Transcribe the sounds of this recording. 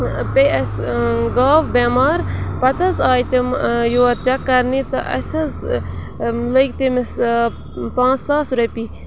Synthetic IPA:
peɐsɡaːʋbemaːɾpɐt̪ɐzaːjt̪imjoːɐɾt͡ʃɐkːɐɾnit̪ɐ̰ʔɐ̰sʲɐz | ləkt̪imis | pãːt͡ssaːsɾɐpiː

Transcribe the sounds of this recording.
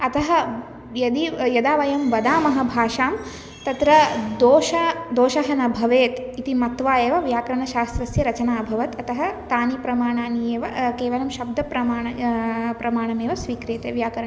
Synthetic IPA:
ɐt̪ɐɦɐ | jɐd̪ijɐd̪aːʋɐjɐmʋɐd̪aːmɐɦɐbʱaːʃaːm | t̪ɐt̪ɾɐd̪oːʃɐd̪oːʃɐɦɐnɐbʱɐʋeːt̪it̪imɐt̪ʋaːjeːʋɐʋjaːkɐɾɐɳɐʃaːst̪ɾɐsjɐɾɐt͡ʃɐnaːbʱɐʋɐt̪ɐt̪ɐɦɐt̪aːnipɾɐmaːɳaːnijeːʋɐkeːʋɐlɐmʃɐb̚d̪ʱɐpɾɐmaːɐpɾɐmaːɳɐmeːʋɐsʋiːkɾeːt̪eːʋjaːkɐɾɐɳɐ

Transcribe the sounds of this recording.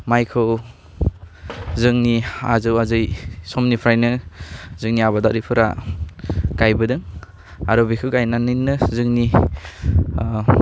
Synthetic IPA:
majkʰɯw | zɯŋnia̰zɯwazɯjsɔmnipʰɾajnɯzɯŋniabadaɾipʰɯɾa̰ | ɡ̥ajbɯdɯŋ | aɾɔbikʰɯwɡajnanɯnːɯzɯŋni

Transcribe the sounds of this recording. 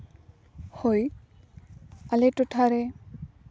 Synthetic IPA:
hoj | aletʊtʰaɾɛ

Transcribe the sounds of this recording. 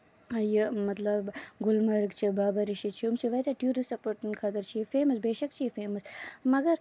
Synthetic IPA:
ɐjəmɐt̪lɐbɡʊlmɐɾɡt͡ʃʰibaːbɐɾiʃit͡ʃʰiumt͡ʃʰiʋɐjt̪aʈjuːɾisɐpoɾʈɐnkʰɐt̪ɐɾt͡ʃʰijefeːmɐsbeːʃɐkt͡ʃʰijefeːmɐsmɐɡɐɾ

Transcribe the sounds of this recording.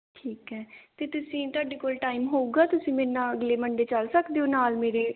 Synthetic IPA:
ʈʰiːkɦɛːt̪eːt̪ʊsĩːt̪aːɖeːkoːlʈaːimɦoːuːɡaːt̪ʊsĩːmeːnãːəɡleːməɳɖeːt͡ʃəlsəkd̪eoːnaːlmeːɾeː

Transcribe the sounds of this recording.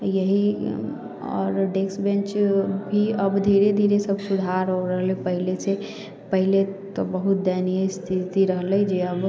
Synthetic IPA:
jəɦi | ɔ̰ːɾɖeksbẽnt͡ʃbʱiəbd̪ʱiɾed̪ʱiɾesəbsud̪ʱaɾɦoɾəɦlepəɦilese | pəɦilet̪obəɦut̪̚d̪ɛnijəst̪ʰit̪iɾəɦləd͡ʒeəb

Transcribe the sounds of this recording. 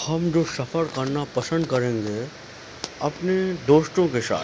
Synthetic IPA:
hɐmd͡ʒoːsɐfəɾkɐɾnapɐsə̃nd̪̚kɐɾẽːŋɡe | ɐpned̪oːʃʈ̪õkesa̰ː

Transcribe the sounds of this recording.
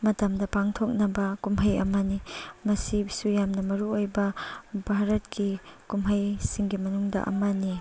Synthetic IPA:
mɐtɐmdɐpaŋtʰok̚nɐbɐkumɦɐjɐ̰mɐnimɐsibisujamnɐmɐɾuojbɐbʱaɾɐt̚kikumɦɐjsiŋɡimɐnuŋdɐ̰ʔɐ̰mɐni

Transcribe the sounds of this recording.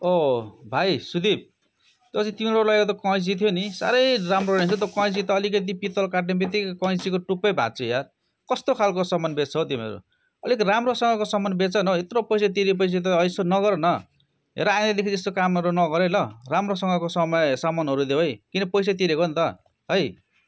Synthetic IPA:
obʱajsud̪ib̚ | t̪opʌt͡sʰĩt̪imiʌɾulajkot̪ʌkʌ̃js̬it̪ʰjonisa̰ɾʌjramroet͡sʰut̪okʌʌ̃s̬it̪ʌːlikʌt̪̬ipit̪ʌlkaʈnebet̪̬ikkʌ̃jsikoʈupʌjbʱã̰t͡sʰujar | kʌst̪okʰalkosʌmʌnbet͡sʰʌt̪imʌ̰ɾṵ | ʌlikramrosʌŋɡʌkosʌmʌnbet͡sʌnʌet̪ɾopʌjs̬at̪̬iɾiep̬ʌjs̬et̪̬ʌːjsonʌɣʌɾnʌ | ɦḛɾʌaj̃ed̪ekʰid͡zest̪okamʌɾonʌɡʌɾelʌramrosʌŋɡʌkosʌmʌjsʌmʌnɦʌɾud̪ebʌjkinʌpʌjs̬at̪iɾekont̪ʌ | ɦʌj

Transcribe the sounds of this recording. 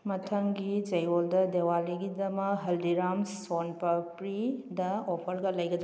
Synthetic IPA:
mɐtʰɐŋɡid͡ʒɐjoldɐdewaliɡidɐmɐkɦɐldiɾamsonpɐpɾidɐopʰɐɾɡɐlɐjɡɐd̪ɾ

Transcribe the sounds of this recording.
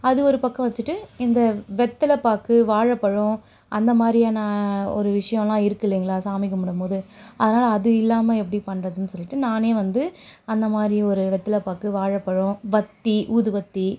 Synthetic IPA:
ɐðɯɔɾɯpɐkːɐ̃ʋɐt͡ʃːɯʈːɯɪnd̪ɐʋɛt̪ːɪlɐpːaːkɯʋaːɻɐpːɐɻʊ̃ | ʔɐnd̪ɐmaːd̪ɾiaːnɐɔ̰ɾɯʋɪʂɐjɔ̃lãːɪɾɯkːɯlːiːŋɡɐɭaːsaːmɪkːɯmʊɽɯmpoːðɯɐðɐnaːlɐːðɯɪlːaːmɐɛpːɐɽipɐɳːrɐðɯnːɯsɔlːɪʈːɯnaːneːʋɐnd̪ɯɐnd̪ɐmaːd̪ɾiɔɾɯʋɛt̪ːɐlɐpːaːkːɯʋaːɻɐpːɐɻʊ̃ʋɐt̪ːiʔuːðɯʋɐt̪ːi

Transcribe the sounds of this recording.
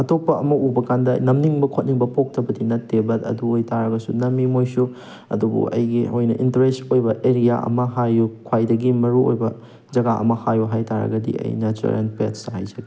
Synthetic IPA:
ɐtopːɐɐmɐubɐkandɐnɐmniŋbɐkʰot̚niŋbɐpʰok̚tʰɐbɐdinɐtːebɐdɐ̰duojtaɾɐɡɐsunɐmːimojsu | ɐ̰dubṵʔɐ̰jɡiojnɐʔintɐɾestojbɐʔeɾija̰ʔɐ̰mɐɦajukʰwajdɐɡimɐɾuo̰jbɐ | d͡ʒɐɡaʔɐ̰mɐhajuɦajtaɾɐ̰ɡɐdḭɐ̰jnat͡ʃṵɾʔḛnpetshajzɐɡi

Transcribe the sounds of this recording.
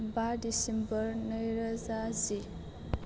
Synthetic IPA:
badisembʌɾnɯjɾʌzazi

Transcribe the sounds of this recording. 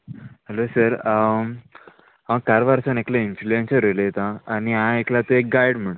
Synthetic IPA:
ɦəlosəɾ | ɦãkaɾʋaɾsəneklainfluensəɾelejet̪ãːñiɦãeklat̪əek̚ɡajɽm̤əɽu

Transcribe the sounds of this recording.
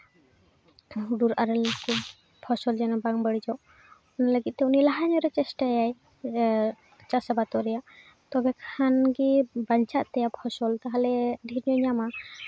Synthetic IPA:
ɖuɾaɾɛlaki | pʰɔsɔld͡ʒɛnɔbaŋbəɽid͡ʒɔʔ | ɔnaləɡit̪̚ːɛunilaɦaɲɔɾɛt͡ʃɛsʈajaj | t͡ʃasabat̪ɔɾɛjaʔ | t̪ɔbɛkʰanɡibaɲt͡ʃaʔ̪t̪ɛjapʰɔsɔlt̪aɦalɛd̪ʱinijɔɲama

